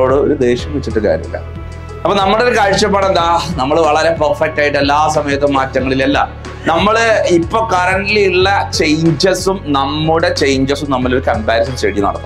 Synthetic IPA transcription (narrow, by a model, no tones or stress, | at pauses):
oːɽɨo̞ɾud̪e̞ːɕɐmʋet͡ɕːiʈːɨka̰ːɾjɐ̰mḭlːɐ̰ | ɐpːonɐmːɐɽeɾkaːɻt͡ɕːɐp̬ːaːɽend̪aːnɐmːɐɭʋɐɭɐɾe̞pɐrfɐk̚tːaːjiʈːelːaːsɐmɐjɐt̪ːumːaːtːɐŋːɐɭilɐlːɐ̰ | nɐmːɐɭɨipːoːkɐɾɐɳɖliiɭːɐt͡ɕe̞jɲd͡ʑɐsumnɐmːuɽe̞t͡ɕejɲd͡ʑɐsumnɐmːɐloɾukɐmbaːɾɐs̬ɐnt͡ɕeːɽijɐnɐɽɐk̪ː